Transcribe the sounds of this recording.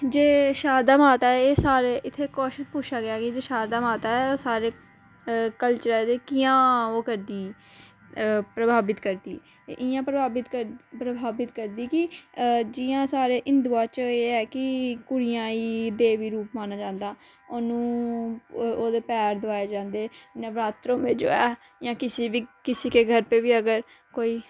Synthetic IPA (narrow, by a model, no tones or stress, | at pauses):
d͡ʒeːʃaːd̪aːmaːt̪aːɛːeːsaːɾeːʔɪt̪ʰːeːkɔːʃəʃpuːʃʰaːɡɪaːkɪd͡ʒeːʃaːd̪aːmaːt̪aːɛːoːsaːɾeː | kəlt͡ʃəɾɛːd̪eːkɪjãːoːkəɾd̪iː | pɾəbʱaːbɪt̪kəɾd̪ḭː | ʔɪãːpɾəbaːbɪt̪kəpɾəbʱaːbɪt̪kəɾd̪iːkɪd͡ʒɪjãːsaːɾeːʔɪ̃nd̪uːãːt͡ʃəeːɛːkɪkʊɽɪjãːiːd̪eːʋiːɾuːpmaːnaːd͡ʒãːnd̪aː | onũː | oːd̪eːpɛːɾd̪ʊaːeːd͡ʒãːnd̪eːnẽːʋɾaːt̪ɾõːmẽːd͡ʒo̰ːɛː | jãːkɪsiːʋiːkɪsiːkeːɡʱəɾpeːʋiːəɡəɾ | koːiː